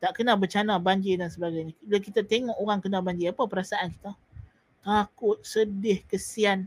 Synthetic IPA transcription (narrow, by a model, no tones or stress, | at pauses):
t̪aʔkənabət͡ʃanabaɲd͡ʒidansəbaɡajɲãlakit̪at̪eŋɔʔoɾaŋkənabaɲd͡ʒiapapəɾasaʔanki̥t̪a | t̪akʊt̪̚sədɪhkəsian